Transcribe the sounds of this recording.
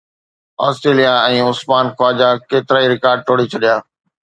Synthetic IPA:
aːsʈɾeːlijaɛ̃ːʊsmaːnxaːd͡ʑakeːt̪ɪɾaːiɾɪkaːɾɖ̚ʈʰoːɽit͡ɕʰɐɗijaː

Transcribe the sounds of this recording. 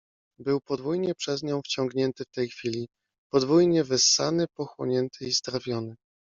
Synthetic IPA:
bɘwpɔd̪vujɲɛpʂɛzɲɔ̃w̃ft͡ɕɔ̃ŋɡɲɛnt̪ɘft̪ɛjxfʲilʲi | pɔd̪vujɲɛvɘsːanɘpɔxwɔ̰ɲɛnt̪ʰɘizd̪ɾavʲjɔnɘ

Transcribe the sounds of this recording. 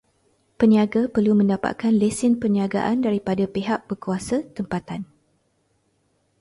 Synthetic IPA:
pəniaɡapərlumə̃ndapa̰t̪̚kanlesɪnpəniaɡa̰ʔandaɾipadapeɦaʔ̚b̥əkuasat̪əmpat̪an

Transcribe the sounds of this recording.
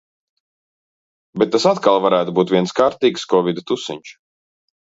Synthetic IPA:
beɛt̪ːasat̪kalˠvaɾæːt̪ubuːt̪viɛnskaːɾt̪iːkskɔvid̪t̪usḭɲʲt͡ʃ

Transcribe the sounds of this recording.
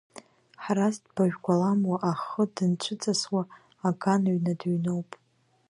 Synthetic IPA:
ħrasdb̥aʒᶣɡʷalamwaʔaχədɨnt͡ʃʷʰɨt͡sʼaswaː | ɡanaɥnadɥnowpʼ

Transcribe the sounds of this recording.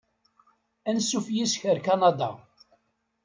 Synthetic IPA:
ænsːufjisçəɾkɑnɑd̪ɑ̰

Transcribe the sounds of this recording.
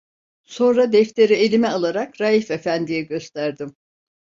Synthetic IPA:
so̞nɾad̪ɛft̪ʰe̞ɾie̞lʲimɛalˠaɾakɾajifefænd̪ijɛɟø̞st̪ʰæɾd̪im

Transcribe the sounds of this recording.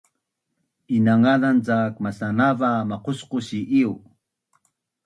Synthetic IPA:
inaŋaðant͡sakmasanavamaqusqusiʔiw

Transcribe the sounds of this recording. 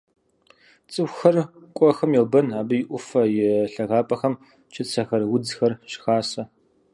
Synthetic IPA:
t͡sʼɨwxɐrkʷʼɔxɐmjɛlbɐnaːbɨjɪʔʷʊfɐjɪɬɐʁaːpʼɐxɐm | t͡ʃʰɪt͡sʰɐxɐrwʊd͡zxɐrɕxaːsɐ

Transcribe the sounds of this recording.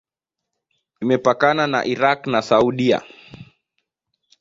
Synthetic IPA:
imɛpakanana̰ʔiɾaknasauɗia̰

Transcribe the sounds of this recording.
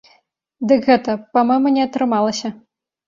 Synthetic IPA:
d̪ɨkɣɛt̪ɐpamɔjmɐnʲɛɐt̪ɾɨmalˠɐsʲɐ

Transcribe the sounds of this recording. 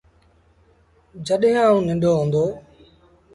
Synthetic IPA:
d͡ʒəɗɦɪ̃ãːũːnɪ̃ɳɖʱoːɦõːnd̪oː

